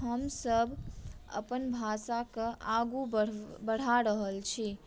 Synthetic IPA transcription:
ɦəmsəbʱə̰pənbʱasakəʔaɡubəbəɽ̤aɾəɦəlt͡ʃʰi

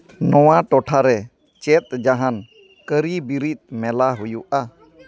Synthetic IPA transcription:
nɔwaʈɔʈʰaɾɛ | t͡ʃɛt̪̚d͡ʒaɦan | kəɾibiɾit̪̚ˀmɛlaɦujuʔa

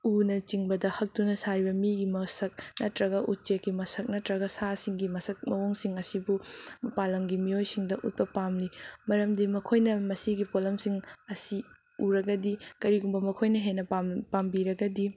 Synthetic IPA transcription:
unɐt͡ʃiŋbɐdɐhɐk̚tunɐsajbɐmiɡimɐsɐk̚nɐtɾɐɡɐʔut̚t͡ʃekːimɐsɐk̚nɐtɾɐɡɐsasiŋɡimɐsɐk̚mɐwoŋsiŋɐsibumɐpalɐŋɡimiojsiŋdɐʔut̚pɐpamlimɐɾɐmdimɐkʰojnɐmɐsiɡipolɐmsiŋɐsi | uɾɐɡɐdikɐɾiɡumbɐmɐkʰojnɐɦenɐpapambiɾɐɡɐdi

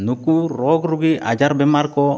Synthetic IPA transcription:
nukuɾɔɡɾuɡiad͡ʒaɾbɛmaɾkɔ

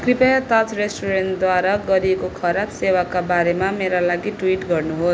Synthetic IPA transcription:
kripajʌt̪at͡sresʈuɾenʈd̪waɾaɡʌɾiekokʰʌɾapsewakabaɾemameɾalaɡiʈwiʈɡʌrnuɦos

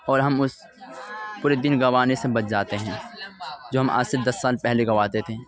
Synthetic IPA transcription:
ɔːɾɦɐmʊs | pʊːɾed̪ɪnɡɐʋaːnesebɐt̪d͡ʒaːt̪eɦɛ̃ːd͡ʒoːɦɐ̃mʔa̰ːsɪɾd̪ɐsːaːlpɛɦleɡɐʋaːt̪et̪ʰeː

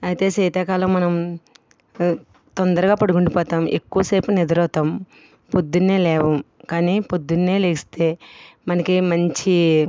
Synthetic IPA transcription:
ɐjit̪e̞ːsɛːt̪ɐːkaːlɐːmɐnɐm | t̪ond̪ɐɾɐɡaːpɐɽukuɳɖipɔːt̪aːmʔḛkːuʋɐseːpunid̪ɐɾɔːt̪aːm | pod̪ːunːeːlɛːʋɐmkaːniːpod̪ːunːeːleːist̪e̞ːmɐnɐkimɐɲt͡ʃi

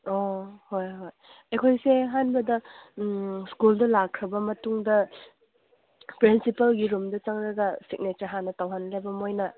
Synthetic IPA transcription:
ohojɦoj | ejkʰojseɦanbɐdɐ | skuldɐlakʰɾɐbɐmɐtuŋdɐ | pɾinsipɐlɡiɾumdɐt͡ʃaŋɾɐɡɐsik̚netɐɾɦanːɐtawɦanlebɐmojnɐ

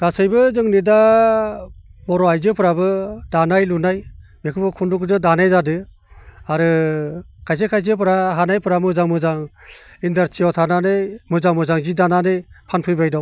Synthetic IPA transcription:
ɡ̥asɯjbɯzɯŋnida | bɔɾɔajzɯpʰɯɾabɯdanajlunajmekʰɯbɯkʰundukdɯdanajzadɯ | aɾɯ | kʰajs̬ɯkʰajz̬ɯpɯɾaɦanajpʰɯɾamɯzaŋmɯzaŋindaɾtʰiɔtʰananɯjmɯzaŋmɯzaŋzidananɯjpʰanpʰɯjbajdɔw

